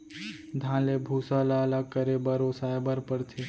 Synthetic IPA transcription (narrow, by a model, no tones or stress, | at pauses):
d̪ʱãːlebʱuːsalaːlakəɾebəɾoːsaːebəɾpəɾt̪ʰe